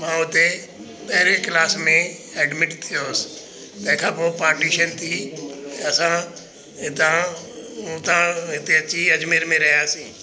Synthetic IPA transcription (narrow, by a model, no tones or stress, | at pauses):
mãːʊt̪e | pɐɦɪɾeklaːsmẽɛːɖmɪʈt̪ʰɪjoːs | t̪ɐ̃ɦɪ̃kʰãːpoːpaːɾʈiːʃənt̪ʰiːɐsãː | ɪt̪ã | t̪ãɦɪt̪eɐt͡ʃiɐd͡ʒmɪɾmẽɾɐɦjaːsĩː